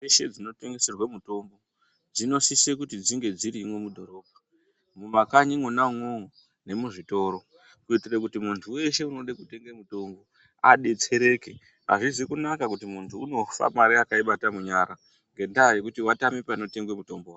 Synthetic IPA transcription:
eʃe̞d͡zino̞te̞ŋɡe̞se̞rwemuto̞mbo̞ | d͡zino̞sisekutid͡ziŋɡe̞d͡ziɾimwemudʱo̞ɾo̞ːbʱa | mumakaɲimwenamwo | ne̞muʐito̞ɾo̞ | kuitirakutimuntʰuwe̞ʃe̞uno̞ɗekute̞ŋɡemuto̞mbo̞ | aɗe̞t͡se̞ɾe̞ke | ɦa̰ʐizikunakakutimuntʰuːno̞fa̰maɾiakaiɓatamuɲaɾa | ŋɡe̞ndajekutiwatamipano̞te̞ŋɡwemuto̞mbowa

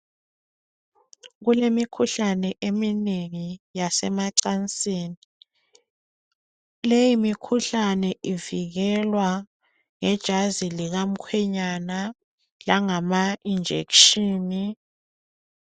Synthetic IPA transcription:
ɣulemikʰuɬanɛʔemineŋijasɛmaǀant͡sʼiːni | lejimikʰuɬanɛʔiviɣɛlwa | ŋɛd̥ʒ̥ʱaziliɣam̩kʰwɛɲana | laŋamaind͡ʒʱḛkʃiːni

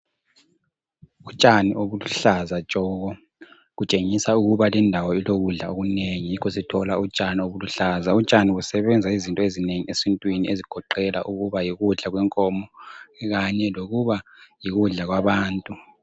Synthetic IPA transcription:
ut͡ʃʼaniʔoβuluɬazat͡ʃʼɔːɣɔ | ɣut͡ʃʼeŋisauɣuβalɛndʱawɔiloɣuɮaoɣuneŋijikʰɔsitʰɔlaut͡ʃʼanioβuluɬaːzaut͡ʃʼaniusɛβɛnd͡zʱaizintʼɔezineŋiesintʼwinieziɡ̥ʱɔǃɛla̰ʔuɣuβajiɣuɮaɣwɛŋkʼɔmɔɣaɲɛloɣuβajiɣuɮaɣwaβaːntʼu

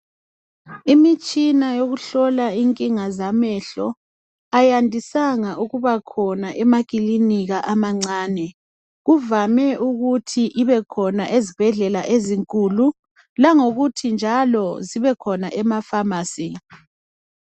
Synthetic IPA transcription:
imit͡ʃʼinajoɣuɬɔlaiŋkʼiŋazamɛɬɔ | ajandʱisaŋaʔuɣuβakʰɔnaʔɛmakʼiliniɣaʔamaŋ͡ǀaːnɛ | ɣuvamɛʔuɣutʰiʔiβɛkʰɔnaʔezib̥ʱɛɮɛlaʔeziŋkʼulu | laŋoɣutʰind͡ʒʱalɔziβɛkʰɔnaʔɛmafamaːsi

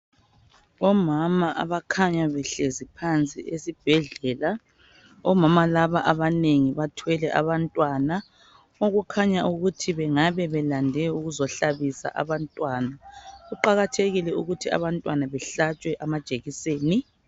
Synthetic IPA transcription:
ɔmamaʔa̰βakʰaɲaβɛɬezipʰant͡sʼḭesib̥ʱɛɮɛla | ɔmamalaβaʔaβaneŋiβatʰwɛlɛʔa̰βantʼwana | oɣukʰaɲaʔuɣutʰiβɛŋaβɛβɛlandʱɛuɣuzɔɬaβisa̰ʔa̰βantʼwanaɣuǃaɣatʰeɣilɛuɣutʰia̰βantʼwanaβɛɬat͡ʃʼwɛʔamad̥ʒ̥ʱeɣiseːni

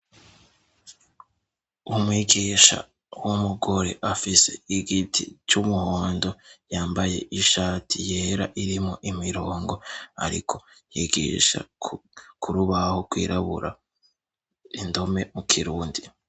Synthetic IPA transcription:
umwiːɡiːʃa̰ | wumuɡo̞ɾe̞̰ʔafise̞̰iɡitʰḭt͡ʃumuhoːndo̞jaːmbaje̞̰ʔiʃaːtijeːɾaʔiɾimŋo̞ʔimiɾo̞ːŋɡo̞a̰ɾḭkʰo̞̥jiɡḭʃa̰ | kʰuɾuβahokwḭːɾʔaβuɾa | indo̞me̞mukʰiɾuːndi

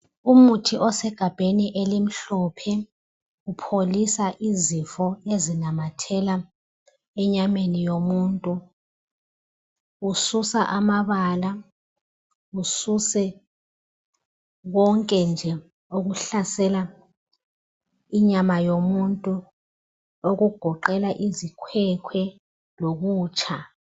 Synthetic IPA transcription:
umutʰiʔɔsɛɡ̥ʱab̥ʱeniʔelim̩ɬɔpʰɛ | upʰolisaʔizifɔezinamatʰɛla | ɛɲamenijomuːntʼu | ususaʔamaβaːla | ususɛ | ɣɔŋkʼɛnd͡ʒʱɛ | oɣ̬uɬasɛla | iɲamajomuntʼu | oɣuɡ̥ʱɔǃɛlaʔizikʰwɛkʰwɛ | loɣuːt͡ʃʰʼa

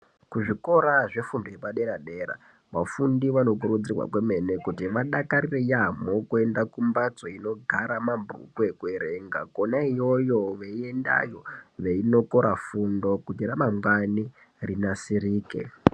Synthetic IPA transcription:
kuʐiko̞ɾaʐe̞fundojepaɗe̞ɾaɗeɾa̰ | ʋafundiʋano̞k̬uɾud͡zirwa̰kweme̞ne̞kutiʋaɗakarirejamo̞kue̞ndakumbat͡so̞ino̞ɡʱaɾamambṵkwe̞kwe̞ɾeŋɡa̰konaijo̞jo̞ʋeie̞nda̰jo̞ʋe̞ino̞ko̞ɾafundo̞kutiɾamamwani | rinasiɾiːke̞̰

